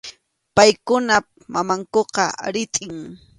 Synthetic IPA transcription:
pajkʊna | mamaŋkoqɑ̰ɾɪt̪ʼɪŋ

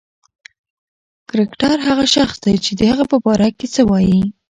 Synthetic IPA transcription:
kɾɪkʈɑɾɦaɣaʃaxsd̪ajt͡ʃed̪əhaɣapəbɑɾaket͡səwɑji

